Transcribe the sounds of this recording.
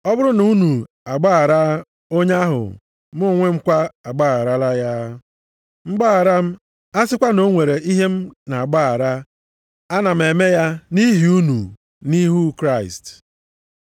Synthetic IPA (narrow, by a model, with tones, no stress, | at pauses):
ɔ˦bʊ˦ɾʊ˦nu˦nu˨ | a˨ɡ͡ba˦a˨ɾa˦ | o˦ɲ˦a˦ɦʊ̰˨ | m˦ʊ˦ŋʷe˦ŋ͡m̩˦kʷa˦a˨ɡ͡ba˦˨a˨ɾa˦la˦ja˦ | ŋ͡m̩˦ɡ͡ba˦a˨ɾa˦m̩˦ | a˦sɪ˦kʷa˦no˦ŋʷe˨ɾe˨ʔi˦ɦe˦m̩˦na˨a˨ɡ͡ba˦˨a˨ɾa˦ | a˦na˨m̩˨e˨me˦ja˦ni˦ɦi˨u˦nu˨ | ni˦ɦu˦kɾa˦˨ɪ˨st